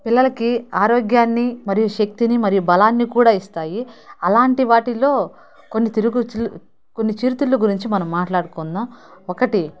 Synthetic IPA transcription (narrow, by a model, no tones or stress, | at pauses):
pilːɐlɐkiaːɾoːɡjaːnːimɐɾijuʃɐk̚t̪inimɐɾijubɐlaːnːikuːɽaːist̪aːjiɐlaːɳʈiʋaːʈilo̞ː | konːit̪iɾuɡu | ko̞nːit͡ʃiːɾt̪uɭːuɡuɾiɲt͡ʃimɐnɐmːaːʈlaːɽukɔnːaːmɔkɐʈi